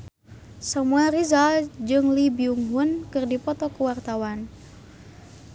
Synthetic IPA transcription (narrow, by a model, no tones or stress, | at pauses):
səmuarizald͡ʒɨŋlibiuŋɦʊnkɨrdipɔt̪ɔkuwart̪awan